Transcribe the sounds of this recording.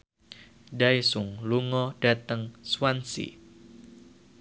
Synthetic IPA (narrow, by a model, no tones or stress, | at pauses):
daisʊŋluŋɔɖ̥a̤t̪əŋswansḭ